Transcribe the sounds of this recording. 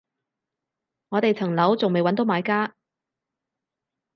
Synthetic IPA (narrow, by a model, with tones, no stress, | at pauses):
ŋɔː˨˧t̪e˨jt͡sʰɐ˨˩ŋlɐ˨˥wt͡sʊ˨ŋme˨jwɐ˨˥nt̪o˨˥wmaː˨˧jkaː˥